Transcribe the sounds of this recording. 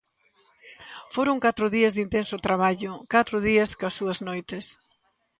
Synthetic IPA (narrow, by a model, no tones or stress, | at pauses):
foɾʊŋkat̪ɾʊðiɐzðint̪ensʊt̪ɾaβ̞aʎʊkat̪ɾʊð̞iɐskɐsuɐznojt̪es